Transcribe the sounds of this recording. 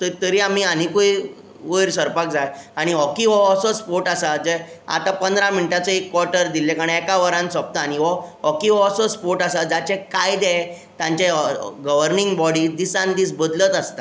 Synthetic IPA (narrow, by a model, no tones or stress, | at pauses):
t̪ət̪əɾiːam̤iːanikoi | ʋəɾsəɾpak̚d͡zajaɽ̃iɔkiʋɔsɔspoɾʈasad͡zɛ | a̰t̪apənd̪ɾãminiʈat͡səekːʋɔɾʈəɾd̪ilekaɽ̃ɛkaʋəɾãnsəp̚t̪aːɽ̃iʋɔɔkiʋɔsɔspoɾʈasad͡zat͡ɕekajd̪ɛ | t̪jãɲt͡ɕeɡəʋəɾnĩŋɡbɔɽid̪isãnd̪iːsbəd̪lət̪əst̪a